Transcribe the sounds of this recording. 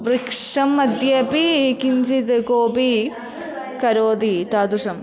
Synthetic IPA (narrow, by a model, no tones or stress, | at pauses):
ʋɾikʂɐmːɐd̪jɐpikiɲd͡ʒit̪koːpi | kɐɾoːd̪it̪aːd̪usɐm